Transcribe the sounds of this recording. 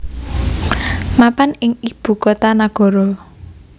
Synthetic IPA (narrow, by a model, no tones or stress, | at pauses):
mapanɪŋib̥ṳkot̪anaɡ̥ɔ̤ɾɔ